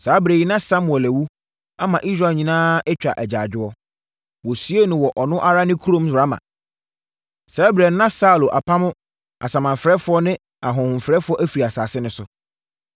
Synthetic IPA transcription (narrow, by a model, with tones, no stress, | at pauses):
saː˨˦bɾe˨ji˦nã˦sa˦mʊ̃˨ɛ˨læ˨wu˦ | a˦mã˨ʔi˦s̬ɾa˨ɲĩ˨nãː˦ɛ˦t͡ɕᶣa̰˨ʔɛ˨d͡ʑaː˨d͡ʑᶣɪ˦ɔ˦ | wɔ˨sɥe˦nʊ̃˨wɔ˨ʔɔ˨nʊ̃˦ʔa˦ɾa˦nɪ̃˦kʰu˦ɾõ˦msʊ˨ɾa˦mã̰˨ | sɛ˨˦bɾɛ˨nː˦ã˦sa˦˨lo˨ʔa˨pʰa˦mʊ̃˦ | a̰˨sã˨mã˨ɱfɾɛ˦fʊ˦ɔ˦nɪ̃˦ | a˨ɦʊ̃˨hʊ̃˨m˨fɾɛ˦fʊ˦ɔ˦ʔæ˦fi˨ɾi˨a˨saː˨sɪ˦nʊ̃˨sʊ˦